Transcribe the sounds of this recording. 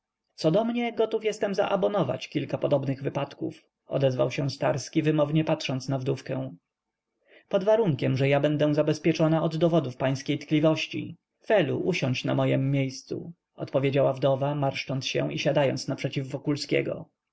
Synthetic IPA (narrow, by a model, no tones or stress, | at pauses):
t̪sɔd̪ɔmɲɛɡɔt̪ufjɛst̪ɛmza̰ʔabɔnɔva̰t͡ɕkʲilkapɔd̪ɔbnɘɣvɘpat̪kṵf | ɔ̰d̪ɛzva̰wɕɛ̃st̪aɾskʲivɘmɔvɲɛpatʂɔnt̪snavd̪ufkɛ̃w̃ | pɔd̪vaɾuŋkʲɛmʐɛjabɛnd̪ɛw̃zabɛspʲjɛt͡ʂɔnaɔd̪ːɔvɔd̪ufpaj̃skʲejt̪klʲivɔɕt͡ɕḭ | fɛlṵʔuɕɔɲt͡ɕna̰mɔjɛmːjejst̪sṵ | ɔ̰t̪pɔvʲjed͡ʑawavd̪ɔvamaɾʂt͡ʂɔnt̪sɕɛ̰̃iɕad̪ajɔ̰nt̪snapʂɛt͡ɕivːɔkulskʲɛ̰ɡɔ̰